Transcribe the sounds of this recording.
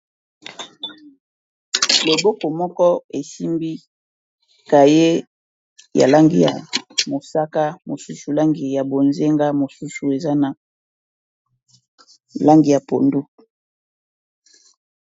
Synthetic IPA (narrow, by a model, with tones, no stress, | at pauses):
lo˨bo˦ko˨mɔ˦kɔ˦e˨si˦mbi˦ | ka˨je˦ | ja̰˨la˦ŋɡi˦ja̰˨mo˨sa˦ka˦mo˨su˦su˨la˦ŋɡi˨ja˨bo˨nze˦ŋɡa˦mo˨su˦su˨e˨za˦na˨ | la˦ŋɡi˨ja˨po˨ndu˦